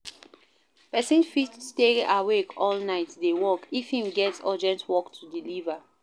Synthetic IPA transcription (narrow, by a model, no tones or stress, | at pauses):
pɛsĩnfitsteawekʰɔlnaɪtdewɔkifhĩmɡɛtsɔd͡ʒɛ̃ntwɔktʰudiliva